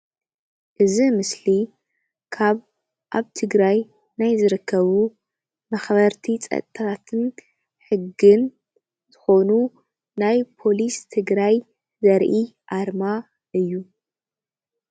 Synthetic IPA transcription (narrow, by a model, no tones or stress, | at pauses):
ʔɨzimɨsli | kʰaβ | ʔaβt̪ʰɨɡɾaj | najzɨɾɨkːɐβu | mɐxβɐɾt̪ʰit͡sʼɐ̰t̪ʼːʰat̪ʰɨn | ħɨɡːɨn | zɨxo̞nu | najpʰo̞list̪ʰɨɡɾaj | zɐɾʔiʔaɾma | ʔɨjːu